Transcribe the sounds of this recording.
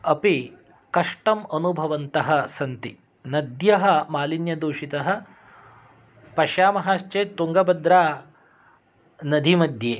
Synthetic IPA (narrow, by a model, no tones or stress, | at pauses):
ɐpi | kɐʂʈɐmɐnubʱɐʋɐnt̪ɐɦɐ̆sɐnt̪i | nɐd̪jɐɦɐ̆maːlinjɐd̪uːʃit̪ɐɦɐ̆ | pɐʃjaːmɐɦaːʃt͡ʃeːt̪ːuŋɡɐbɐd̪ɾaː | nɐd̪ʱimɐd̪ʱjeː